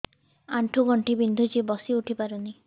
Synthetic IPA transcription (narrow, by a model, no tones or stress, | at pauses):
aɳʈʰuɡɔɳʈibind̪ʱut͡ʃibɔsiuʈʰipaɾɔni